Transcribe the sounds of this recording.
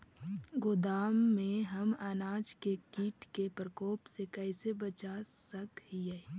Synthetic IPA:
ɡʊd̪aːmːẽɦɐmanaːd͡ʒkekiːʈkepɾəkoːpsekɛːsebət͡ʃasəkɦiɛ

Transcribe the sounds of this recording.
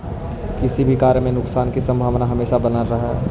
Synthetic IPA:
kɪsibʱikaːɾjəmẽnʊksaːnkisɐ̃mbʱaːʋnaɦɐmeːʃabɐnəɾɐɦɛ

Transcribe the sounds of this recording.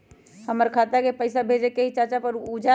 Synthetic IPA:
həməɾkʰat̪akepəɪsabʱed͡ʒekeɦit͡ʃat͡ʃapəɾud͡ʒa

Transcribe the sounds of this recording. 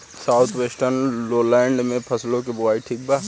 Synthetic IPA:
saːʊt̪ʰʋeːsʈəɾnloːlɛ̃ːɳɖmẽpʰɐslõkebʊʋaːiʈʰiːk̚baː

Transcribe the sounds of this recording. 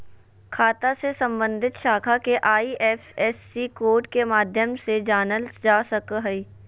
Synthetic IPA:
kʰaːt̪asesə̃mbə̃nd̪ʱɪt̪ʃaːkʰakeʔaːiʔɛːfʰɛːsːikoːɾʈkemaːd̪ʱjəmsed͡ʒaːnəld͡ʒaːsəkɦəiː

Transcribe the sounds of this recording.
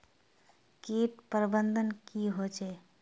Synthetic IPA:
keʈ̚pəɾbənd̪ənkiɦot͡ʃʰɛ

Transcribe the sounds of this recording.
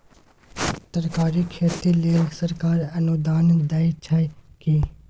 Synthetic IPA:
t̪əɾkaːɾikʰeːt̪ileːsəɾkaːɾənud̪aːnd̪aːit͡ʃʰaikiː

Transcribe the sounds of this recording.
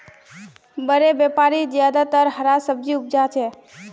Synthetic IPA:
bəɾebepaɾid͡ʒjad̪at̪əɾɦəɾasəb̚d͡ʒiʊp̚d͡ʒat͡ʃʰe

